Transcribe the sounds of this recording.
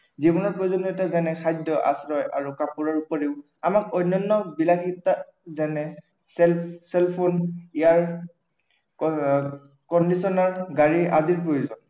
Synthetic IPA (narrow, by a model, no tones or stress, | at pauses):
zibɔnɔɹpɹojuzɔnutazanɛxʰajdɔʔa̰sɹɔjʔa̰ɹukapuɹɔɹupɔɹiʊ | amak̚ojnːɔnːɔbilakita | zanɛ | sɛlsɛlpʰonijaɹ | kɔndisɔnaɹɡaɹiʔaziɹpɹojuzɔn